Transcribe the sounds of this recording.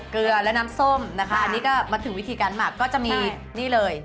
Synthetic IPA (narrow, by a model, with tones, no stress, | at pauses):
kɯ˧ɐlɛ˦˥naː˦˥mso˥˩mna˦˥kʰa˦˥ʔa˧nːiː˦˥kɔː˥˩maː˧t̪ʰɯ˩˦wi˦˥t̪ʰiː˧kaː˧nmaː˧˨˩kːɔː˥˩t͡ɕa˨˩ʔmiː˧ | niː˥˩lɤː˧j